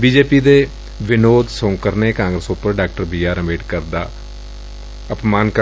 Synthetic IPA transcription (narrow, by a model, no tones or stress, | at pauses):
biːd͡ʒeːpiːd̪eː | ʋɪnoːd̪sõːŋkəɾneːkãːŋɡɾəsʊpːəɾɖaːk̚ʈəɾbiːaːɾəmeːʈkəɾd̪a̰ː | əpmaːnk